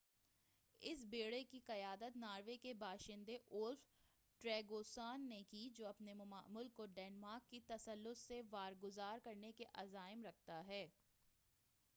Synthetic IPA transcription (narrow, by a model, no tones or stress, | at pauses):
ɪsbeːɽekiqɐjaːd̪ət̪naːɾʋekebaːʃɪ̃nd̪eʔʊlf | ʈɾɛːɡoːsaːnːekid͡ʒoːɐpnemʊma̰ːmʊlkːoɖɛːnmaːɾkːit̪ɐsəlːʊt̪seʋaːɾɡʊzaːɾkɐɾnekeʔɐzaːɪmɾɐk̚ʰt̪aɦɛː